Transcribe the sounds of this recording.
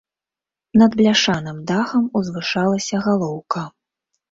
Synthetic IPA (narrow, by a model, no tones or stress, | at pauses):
nɐd̪blʲaʂanɨmd̪axɐmuzvɨʂalˠɐsʲɐɣalˠɔwkɐ